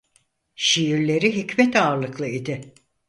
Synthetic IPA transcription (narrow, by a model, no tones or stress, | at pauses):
ʃijiɾlʲe̞ɾiɦicmɛt̪aːɾlˠɯklˠɯid̪ɪ